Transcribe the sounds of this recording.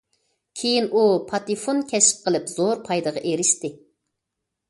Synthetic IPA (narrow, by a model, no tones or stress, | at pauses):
kʲʰejinʔupʰɑt̪ifonkʲʰɛsɪ̥p̚qʰəlˠɨpz̥oɾpʰɑjd̪ɨʁɑʔeɾɪʃt̪ɪ